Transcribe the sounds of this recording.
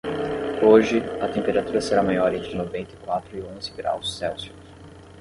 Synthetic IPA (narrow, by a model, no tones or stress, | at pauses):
oʒɪɐt̪ẽmpeɾat̪uɾɐseɾamajɔɾẽnt̪ɾɪnovẽnt̪ɪkwat̪ɾʊiõzɪɡɾa̰wsːɛwsi̥kʊs